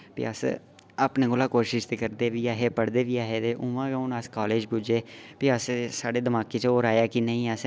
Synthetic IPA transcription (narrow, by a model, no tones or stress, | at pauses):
pḭəs | əpnẽːɡʊlaːkoːʃɪʃt̪eːkəɾd̪eːʋiːaːɦeːpəɽd̪eːʋiːaːɦeːt̪eːʔʊ̃ːʋãːɡaʊnəskaːleːd͡ʒbud͡ʒeːpiəssaːɖeːd̪əmaːkeːt͡ʃəoːɾaːjaːkinəĩːəs